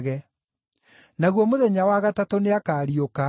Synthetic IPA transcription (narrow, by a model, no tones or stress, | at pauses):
ɣɛ | naɣwɔmoðɛɲawaɣatatoneakaːɾioka